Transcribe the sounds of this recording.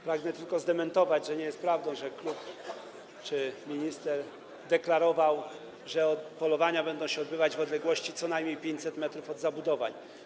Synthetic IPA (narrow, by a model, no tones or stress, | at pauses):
pɾaɡnɛt̪ɘlkɔzd̪ɛmɛnt̪ɔvad͡ʑʐɛɲɛjɛst̪pɾavd̪ɔ̃w̃ʐɛklup | t͡ʂɘmʲiɲist̪ɛɾ | d̪ɛklaɾɔvaw | ʐɛɔt̪pɔlɔvaɲabɛnd̪ɔ̃w̃ɕɛɔd̪bɘvad͡ʑvɔd̪lɛɡwɔɕt͡ɕit̪sɔnajmʲɲejpʲjeɲt͡ɕʲsɛt̪mɛt̪ɾufɔd̪zabud̪ɔva̰ɲ